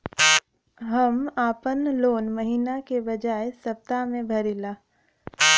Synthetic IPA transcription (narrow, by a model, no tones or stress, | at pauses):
ɦɐmaːpənloːnməɦiːnakebɐd͡ʒaːesɐp̚t̪amẽbʱɐɾilaː